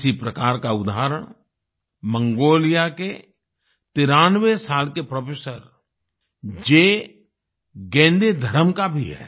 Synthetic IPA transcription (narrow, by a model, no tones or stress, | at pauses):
sipɾɐkaːɾkaʊd̪aːɾəɽ̃ | mə̃ŋɡoːlijake | t̪ɪɾaːnʋesaːlkepɾoːpʰeːsəɾ | d͡ʒeː | ɡɛ̃ːnd̪ed̪ʱəɾəmkabʱiɦɛ̰ː